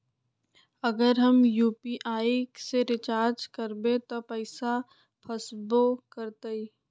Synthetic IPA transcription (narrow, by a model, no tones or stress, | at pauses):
ɐɡəɾɦɐmjuːpiʔaːiseɾɪt͡ʃaːɾd͡ʒkɐɾbẽt̪opəɪsa | pʰəsbokəɾt̪ei